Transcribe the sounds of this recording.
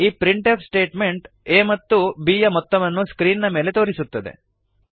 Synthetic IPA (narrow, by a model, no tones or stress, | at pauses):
iːpɾiɳʈepsʈe̞ːʈme̞ɳʈ | eːmɐt̪ːubiːjɐmɔt̪ːɐmɐnːuskɾiːnnɐme̞ːle̞t̪o̞ːɾisut̪ːɐd̪ḛ